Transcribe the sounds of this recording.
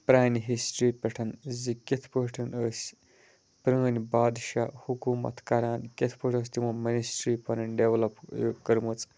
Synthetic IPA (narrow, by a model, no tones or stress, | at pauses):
pɾaːjnɦisʈɾiːpʲeʈʰɐnzikʲet̪ʰpəʈʰɐnəːsʲ | pɾənibaːd̪ʃaːhukuːmɐ̰t̪ʰkɐɾaːnkʲet̪ʰpɨʈʰəːsʲt̪imuminisʈɾipɐnɐnɖeʋlɐpjokɐɾmut͡sʼ